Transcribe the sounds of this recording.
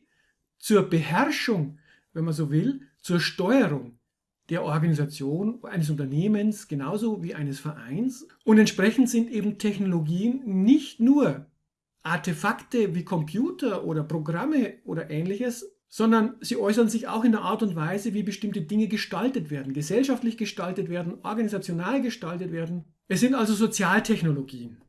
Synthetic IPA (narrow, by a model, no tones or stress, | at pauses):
t͡suːɐbəhɛʁʃʊŋ | vɛnmanzoːvɪlt͡suːɐʃtɔʏəʁʊŋ | d̥eːɐʔɔɐɡanizat͡sjoːnʔaɪnəs̬ʊ̃ntɐneːmənsɡ̥ənaʊzoviːʔaɪnəsfɛɐʔa̰ɪns | ʔʊntɛntʃpʁ̥ɛçn̩tz̥ɪntʔeːbm̩tʰɛçnoloɡiːənːɪçtnuːɐ | ʔaɐtefaktəviːkʰɔmpʰjuːtɐʔoːɾɐpʁ̥oɡʁaməʔo̰ːdɐʔɛːnlɪçəs | z̥ɔndɐnziːʔɔʏs̬ɐnzɪça̰ʊxɪndeːɐʔaɐtʊntv̥aɪzəviːbəʃtɪmtədɪŋəɡəʃtaltətv̥eːɐdn̩ɡəzɛlʃaftlɪçɡ̥əʃtaltətveːɐdn̩ʔɔɐɡanizat͡sjonaːlɡəʃtaltətv̥eːɐdn̩ | ʔɛsz̥ɪntʔalzozot͡sjaːltʰɛçnoloɡiːən